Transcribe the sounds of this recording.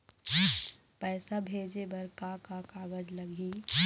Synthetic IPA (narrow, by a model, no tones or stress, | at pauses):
pɛːsabʱeːd͡ʒebɐɾkakakaːɡəd͡ʒlɐɡʱiː